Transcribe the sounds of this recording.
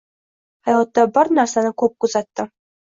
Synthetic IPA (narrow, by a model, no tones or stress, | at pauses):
hɑjʁˠɑt̪ːɑbɑɾnæɾsanɤkɵp̚kuzɑt̪ːɤ